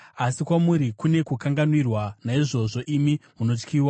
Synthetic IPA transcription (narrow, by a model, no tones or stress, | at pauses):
asikwamuɾikune̞kukaŋɡanwirwanaiʐo̞ʐo̞ʔimimuno̞t͡ʃkiːwa